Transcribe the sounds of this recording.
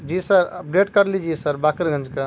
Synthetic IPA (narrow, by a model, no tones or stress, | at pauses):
d͡ʒisəɾpɾeʈkəɾlid͡ʒisəɾbakəɾɡʱə̃nd͡ʒka